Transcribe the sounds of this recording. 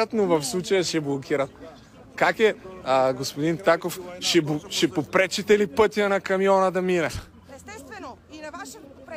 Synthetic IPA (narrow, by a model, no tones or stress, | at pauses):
ət̪novɐfslˠut͡ʃɐjəʃɛblˠokʰʲiɾɐt̪̚ | kakɛɡospod̪int̪akofʃɛʃɛpopɾɛt͡ʃɛt̪ɛlipɤt̪ijənɐkɐmijɔnəd̪ɐminɛ